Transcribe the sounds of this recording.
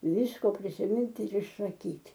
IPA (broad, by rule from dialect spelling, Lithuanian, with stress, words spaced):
ˈʋʲɪskoː pʲrʲɪsʲɪˈmʲɪnʲtʲ ɪr ɪʃsɐˈkʲiːtʲ